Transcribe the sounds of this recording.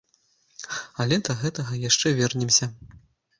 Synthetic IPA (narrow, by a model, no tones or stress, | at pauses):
ɐlʲɛd̪ɐɣɛt̪ɐɣɐjaʂt͡ʂɛvʲɛrnʲɛmsʲɐ